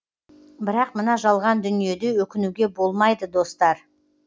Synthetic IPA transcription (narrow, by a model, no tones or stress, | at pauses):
bɪɾɑqmənɑʒɑlˠʁɑnd̪ʏnije̞d̪ɪwɵkʲɪnuɡʲe̞bo̞lˠmɑjd̪əd̪o̞st̪ɑɾ